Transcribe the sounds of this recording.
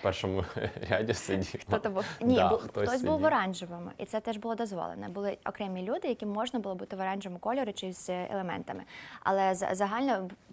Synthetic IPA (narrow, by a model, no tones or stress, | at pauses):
pɛrʃɔmʊɾʲadʲisedʲixt̪ɔt̪bunʲibt̪ɔt̪ɔsʲbuwʋɔɾɑnʲʒɪʋɪmḭt̪sɛt̪ɛʒbʊlˠɔd̪ɔzʋɔ̰lˠḛnɐbʊlˠɪɔ̰kɾɛmʲilʲud̪ɪjɐkʲimːɔʒnɐbʊlˠɔbut̪ɪʋɔɾɑnʲʒɪʋɪmʊkɔlʲɔɾʊt͡ʃɪzʲḛlˠemɛ̰nt̪ɐmɪ̰ɐ̰lˠɛzɐ̰zɐɦɑlʲnɔ